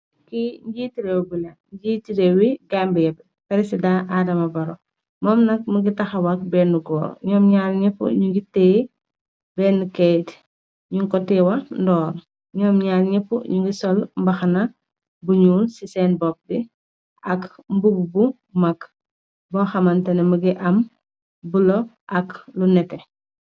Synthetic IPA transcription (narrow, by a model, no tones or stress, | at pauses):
kiɲɟiːtiɾɛwbulɐɲɟiːtiɾɛwiɡambɛjɐb | pɛɾisidãʔadɐmɐbɐɾɔ | mɔːmnɐk̚muɡitɐxɐwɐk̚bɛnuɡɔːɾ̰ɲɔːmɲaːlɲɛpːṵɲuŋɡitɛː | bɛːnːukɛjt | ɲuŋkɔtɛwɐndɔːɾ | ɲɔːmɲaːlɲipːṵɲuŋɡisɔlmbɐxɐnɐ | buɲuːsisɛːnbɔk̚di | ʔɐkmbububu | mɐk | bɔːxɐmɐntɛnɛmɐɡiʔɐm | bulɔ | ʔɐklunɛtɛ